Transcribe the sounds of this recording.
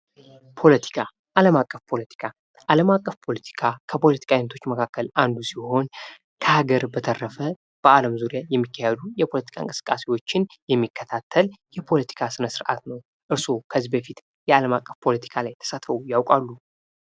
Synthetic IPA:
pʰo̞lət̪ʰi̥kʰa | ʔaləmakʼːəfpʰo̞lət̪ʰi̥kʰa | ʔaləmakʼːəfpʰo̞lət̪ʰi̥kʰakʰəpʰo̞lət̪i̥kʰajinət̪ʰot͡ʃːməkʰakːəlʔand̪usiho̞n | kʰəhaɡəɾbət̪ʰərːəfə | b̥əaləmzuɾijajɛmːikːahɛd̪ujɛpʰo̞lət̪ʰi̥kʰaɨŋkʼɨsɨ̥kʼːasewo̞t͡ʃːɪnjɛmːikːət̪ʰat̪ʰːəljɛpʰo̞lət̪ʰi̥kʰasɨnəsɨɾʔa̰t̪nəw | ʔɨɾsokʰəzːibəfit̪ | jɛaləmakʼːəfpʰo̞lət̪ʰi̥kʰalajt̪ʰə̥sat̪ʰfəwujawkʼalːu

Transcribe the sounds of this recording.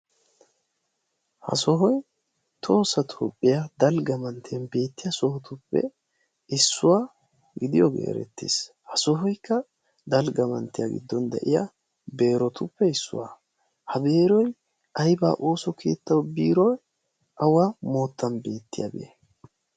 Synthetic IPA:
hɐ̰sɔɦɔj | t̪ʰo̞ːsːɐt̪ʰoːpʼːɪjad̪ɐlɡɐmɐnt̪ʰenbe̞ːt̪ːɪjɐsɔhɔt̪ʊpːɛ̰ | ɪsːʊwaː | ɡɪd̪ɪjɔɡḛːɾɛ̰t̪ːḭs | hɐsɔɦɔjkːɐ | d̪ɐlɡɐmɐnt̪ːɪjaɡɪ̰d̪ːɔnd̪ɛ̰ʔɪja | be̞ːɾɔt̪ʊpːɛɪsːʊ̰waː | hɐbe̞ːɾɔj | ɐjba̰ːʔo̞ːsɔkʰe̞̰ːt̪ːɐwbiːɾɔj | ʔɐwamo̞ːt̪ːɐnbe̞ːt̪ːɪ̰jɐ̰beː

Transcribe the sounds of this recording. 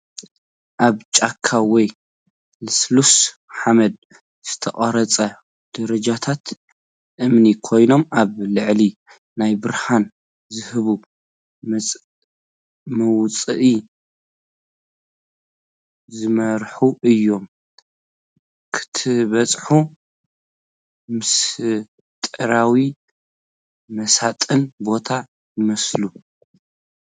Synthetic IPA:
ʔaβt͡ʃʼakʰːawɔj | lɨslus | ħamɐd̪̚ | z̥ɨt̪ʰɐχʼɐɾɐt͡sʼɐ | d̪̥ɐɾɐd͡ʒat̪ʰat̪ | ʔɨmnikʰo̞jno̞maβlɨʕli | najbɨɾhan | zɨhɨβu | mʼ | mɐwt͡sʼɨʔi | zɨmɐɾħuʔɨjːo̞m | kʰɨ̥t̪ʰɨβɐt͡sʼħu | mɨs | t̪ʼɨɾawi | mɐsat̪ʼɨnbo̞t̪ʰa | jɨmɐslu

